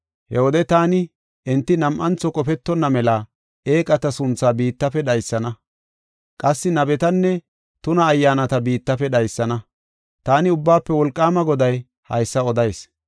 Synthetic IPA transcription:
hɛwɔd̪ɛt̪aːnɪ | ʔɛnt̪ːɪnɐmʔɐnt͡sːɔkʼɔpɛt̪ːɔnːɐmɛlɐ | e̞ːkʼɐt̪ɐsʊnt͡sːaːbiːt̪ːɐfɛɗɐjsːɐnɐ | kʼɐsːɪnɐbɛt̪ɐnːɛ | t̪ʊnɐːjːaːnɐt̪ɐbiːt̪ːɐfɛɗɐjsːɐnɐ | t̪aːnɪʊbːaːpːɛwɔlkʼːaːmɐɡɔd̪ɐj | hɐ̰jsːɐɔd̪ɐjs

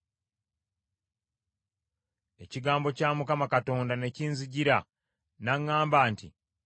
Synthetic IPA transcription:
e̞ciɡaːmbo̞caːmukamakato̞ːndane̞ciːnziɟiɾa | naŋːaːmbaːntḭ

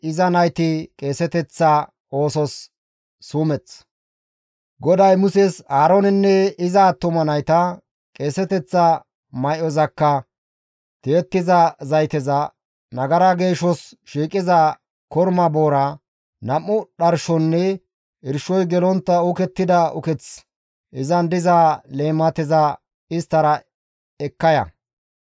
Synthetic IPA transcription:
ɪzɐnɐjt̪ɪkʼe̞ːsɛt̪ɛt͡sːɐ | o̞ːsɔsː | uːmɛt͡s | ɡɔd̪ɐjmʊsɛsaːɾɔnɪnːɛɪzɐːt̪ːʊmɐnɐjt̪ɐ | kʼe̞ːsɛt̪ɛt͡sːɐ | mɐjʔɔzɐkːɐ | t̪eːt̪ːɪzɐzɐjt̪ɛzɐ | nɐɡɐɾɐɡe̞ːʃɔs | ʃiːkʼɪzɐ | kɔɾmɐboːɾɐ | nɐmːʊɗɐɾʃɔnːɛ | ɪɾʃɔjɡɛlɔnt̪ːɐʊkɛt̪ːɪd̪ɐʊ̰kɛt͡s | ʔɪzɐnd̪ɪzaːle̞ːmːɐt̪ɪzɐ | ɪst̪ːɐɾɐ | ɛkːɐjɐ̰

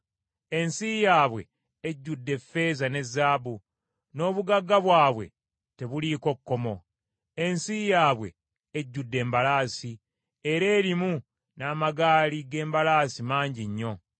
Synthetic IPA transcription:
e̞nsijaːβwe̞̰ː | ɟːudːe̞fːe̞ːzane̞zːaːbu | no̞ːβuɡaɡːaβwaːβwe̞̰ | te̞βuliko̞kːo̞mo̞ | e̞nsijaːβwe̞ | eɟːudːe̞ːmbalaːsi | eɾe̞ːɾimu | naːmaɡaːliɡe̞ːmbalaːsimaːɲɟiɲːo̞

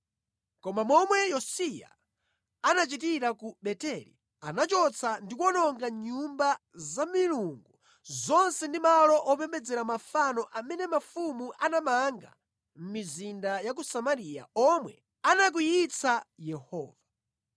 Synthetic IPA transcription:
kɔmamɔmwɛjɔsija̰ | anat͡ʃitiɾakuɓɛtɛɾḭ | anat͡ʃɔt͡sʰandikwɔnɔŋɡaɲumba | zamiluŋɡu | zɔnsɛndimalɔʔɔpɛmbɛd͡zɛɾamafanɔʔamɛnɛmafumuʔanamaŋɡa̰ | m̩mizindajak̬usamaɾija̰ɔmwɛ̰ | anak̬ujit͡sajɛhɔ̰ːva

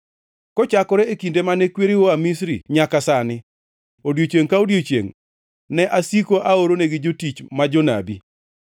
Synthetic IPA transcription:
kɔt͡ʃakɔɾɛekindemanekweɾiwoamis̬ɾḭɲakasanɪ | odjot͡ʃeŋkaodjot͡ʃjḛŋ | nɛʔasikoʔaoɾoneɡɪd͡ʒotit͡ʃmad͡ʒona̰bi

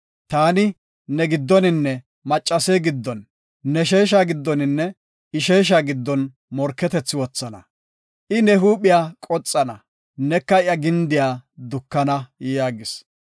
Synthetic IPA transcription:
t̪aːnɪ | nɛɡɪd̪ːɔnɪnːɛ | mɐt͡ʃʼːɐseɡɪd̪ːɔnː | ɛʃeːʃ̬aːɡɪd̪ːɔnɪnːɛ | ɪʃeːʃ̬aːɡɪd̪ːɔn | mɔɾkːɛt̪ɛt͡sːɪwɔt͡sːɐnɐ̰ | ʔɪnɛɦuːɓɪjaːkʼɔt͡sʼːɐnɐ | nɛkːɐɪjɐɡɪnd̪ɪjaːd̪ʊkːɐnɐjjaːɡɪs

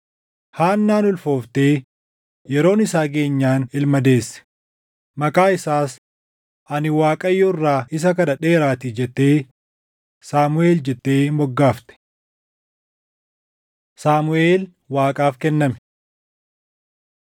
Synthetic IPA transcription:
haːnːaːnʊlfo̞ːft̪eː | jɛɾo̞ːnɪsaːɡe̞ːɲːaːnɪlmɐd̪e̞ːsːɛ̥ | mɐkʼaːɪsaːs | ʔɐnɪwaːkʼɐjːɔrːaːɪs̬ɐkɐnɐᶑe̞ːɾaːt̪ɪd͡ʒɛt̪ːe̞ː | saːmʊe̞ːld͡ʒɛt̪ːe̞ːmɔɡːaːft̪ɛ̥ | saːmʊe̞ːl | waːkʼaːfkɛnːɐmɛ̥

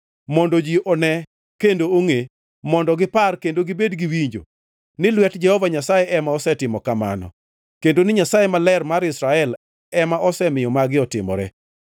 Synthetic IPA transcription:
mɔndɔd͡ʒiʔɔnɛ | kendooŋe | mɔndɔɡɪparkendoɡɪbedɡiwiɲd͡ʒo̰ | nɪlwɛtd͡ʒɛhɔvaɲasajeʔɛmaɔsɛtɪmɔkama̰nɔ̰ | kendonɪɲasajemalɛrmaɾɪsɾaɛl | ɛmaʔɔsɛmɪjɔmaɡɪɔtɪ̰mɔ̰ɾɛ̰

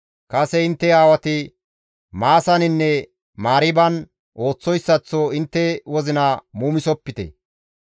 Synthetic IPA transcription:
kɐsɛɪnt̪ːɛaːwɐt̪ɪ | maːsɐnɪnːɛ | maːɾɪbɐn | ʔo̞ːt͡sːɔjsːɐt͡sːoɪnt̪ːɛwɔzɪnɐmuːmɪsɔpːɪt̪ɛ̰

